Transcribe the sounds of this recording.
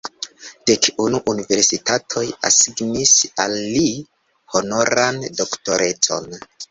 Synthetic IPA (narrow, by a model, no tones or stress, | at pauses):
d̥ekunuʔunive̞ɾsitatʰo̞ja̰siɡnisalːi | ho̞no̞ɾando̞kto̞ɾʔe̞t͡so̞̰n